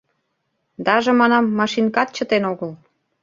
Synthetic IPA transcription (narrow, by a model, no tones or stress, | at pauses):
d̪ɑʒɤ̆mɑnɑmːɑʃinkɑt̪̚t͡ɕə̆t̪enoɣəl